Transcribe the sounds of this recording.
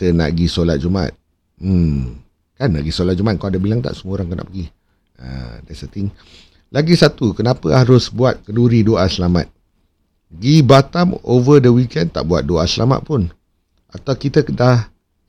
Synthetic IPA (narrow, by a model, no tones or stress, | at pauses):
it̪əna̰ʔɡisolat̪̚d͡ʒuma̰t̪̩̚ | kanːa̰ʔɡisolat̪̚d͡ʒumat̪̚kawadabilaŋt̪a̰ʔsəmuɾaŋkana̰ʔpəɡi | ə̰dɛsət̪iŋ | laɡisat̪ukənapəhaɾʊsbuat̪̚kəduɾidoʔasəlama̰t̪̚ | ɡibat̪amovədəwikɛnt̪a̰ʔbuat̪̚doasəlama̰t̪̚pʊn | at̪awkit̪ədah